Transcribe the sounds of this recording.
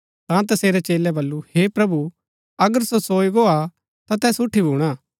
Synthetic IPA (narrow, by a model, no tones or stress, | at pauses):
t̪ãt̪̬ɐseːɾɛt͡ʃeːlɛbɐlːuhepɾɐbu | ɐɡəɾsosoːiɡoa | t̪at̪ɛːsʊʈʰːibʱuːɽ̃aː